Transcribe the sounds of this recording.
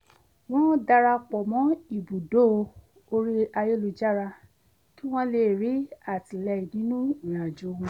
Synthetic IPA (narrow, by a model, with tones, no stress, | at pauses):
w̃ɔ̃˦da˧ɾa˧k͡pɔ˨mɔ̃˨˦i˦˨bu˨do˦˧ | o˧ɾi˦a˧je˦lu˧d͡ʒa˦˨ɾa˧ | ki˦w̃ɔ̃˦le˦˨ɾi˨˦a˦˨ti˨lɛ˧i˨nĩ˨˦nũ˦ĩ˨ã˨d͡ʒo˨˦wũ˧˦